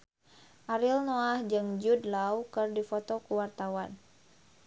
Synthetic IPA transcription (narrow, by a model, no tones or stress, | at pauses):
ʔaɾilnoahd͡ʒɨŋd͡ʒudlawkɨrdifot̪okuwart̪awan